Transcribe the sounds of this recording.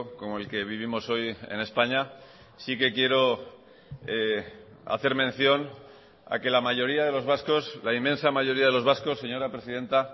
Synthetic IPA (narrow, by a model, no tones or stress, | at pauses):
ko̞mo̞e̞lke̞β̞iβ̞imo̞so̞je̞̰ne̞spaɲa | sike̞kje̞ɾo̞ | a̰θe̞ɾmẽ̞n̟θjo̞n | a̰ke̞lamaʝo̞ɾiaðe̞lo̞zβasko̞slaimːẽ̞nsamaʝo̞ɾiaðe̞lo̞zβasko̞sːe̞ɲo̞ɾapɾe̞siðe̞nt̪a